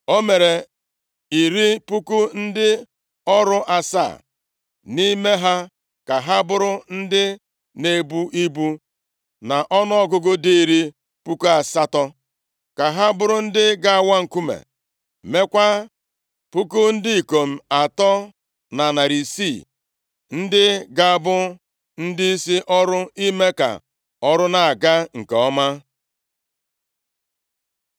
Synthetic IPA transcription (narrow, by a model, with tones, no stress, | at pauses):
o˦me˨ɾe˨ | i˨ɾi˦pu˦ku˦n̩˦dɪ˦ | ɔ˦ɾʊ˦ʔa˨sa̰˦˨ | ni˦me˦ɦa˦ | ka˨ɦa˦bʊ˦ɾʊ˦n̩˦dɪ˦ | ne˨bu˦ʔi˦bu˦ | na˨ʔɔ˦nɔ˦ɔ˦ɡʊ˦ɡʊ˦di˦i˨ɾi˦ | pu˦ku˦a˨sa˦tɔ˦ | ka˨ɦa˦bʊ˦ɾʊ˦n̩˦dɪ˦ɡa˨a˨wa˦ŋ̩˨ku˦mḛ˨ | me˦kʷa˦ | pu˦kʊ˦n̩˦dɪ˦i˨ko˨m̩˨a˨tɔ˦ | na˨na˨ɾi˨si˦˨ | n̩˦dɪ˦ɡa˨a˨bʊ˦ | n̩˦dɪ˦i˦si˦ʔɔ˦ɾʊ˦i˦me˦ka̰˨ | ɔ˦ɾʊ˦na˨a˨ɡa˦ŋ̩˨ke˨ɔ˦ma˦